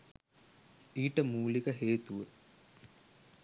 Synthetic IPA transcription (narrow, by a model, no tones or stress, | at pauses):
iːʈəmuːlikəɦeːt̪uʋə